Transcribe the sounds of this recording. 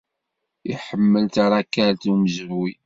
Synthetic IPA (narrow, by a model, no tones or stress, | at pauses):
iħəmːəlt̪aɾakːæɾt̪umzəvwi